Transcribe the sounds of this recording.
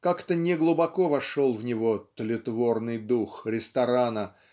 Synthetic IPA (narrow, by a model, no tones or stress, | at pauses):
kakt̪ənʲɪɡlˠʊbɐkovɐʂolˠvnʲɪvot̪əlʲɪt̪vo̞rnɨjd̪uxɾʲɪst̪ɐɾanə